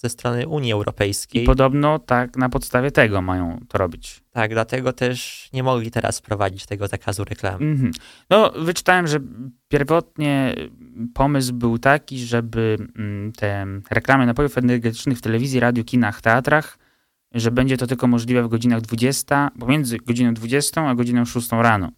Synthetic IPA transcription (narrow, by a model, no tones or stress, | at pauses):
z̥ɛst̪ɾɔnɘʔuɲjiɛwɾɔ̰pɛjskʲijpɔd̪ɔbnɔt̪aknapɔt̪st̪avʲjɛt̪ɛɡɔmajɔ̰̃w̃t̪ɔɾɔbʲit͡ɕt̪aɡ̚d̪lat̪ɛɡɔt̪ɛʂɲɛmɔɡlʲit̪ɛɾa̰spɾɔva̰d͡ʑit͡ɕt̪ɛɡɔzakʰazuɾɛkla̰m̩mm̩nɔvɘt͡ʂɘ̥t̪awɛmʐɛpʲjɛɾvɔt̪ɲɛ | pʰɔmɘs̬bɘwt̪akʲiʐɛbɘt̪ʰɛɾɛklamɘnapɔjufɛnɛɾɡɛt̪ɘ̥t͡ʂnɘxft̪ɛlɛvʲizʲjiɾad̪jukʲinaxft̪ɛat̪ɾax | ʐɛbɛɲd͡ʑɛt̪ɔt̪ɘlkɔmɔʐlʲivɛvɡɔd͡ʑinaɣd̪vud͡ʑɛst̪apɔmʲjɛnd̪zɘɡɔd͡ʑinɔ̃w̃d̪vud͡ʑɛst̪ɔ̃w̃aɡɔd͡ʑinɔ̃w̃ʂust̪ɔ̃w̃ɾanɔ̰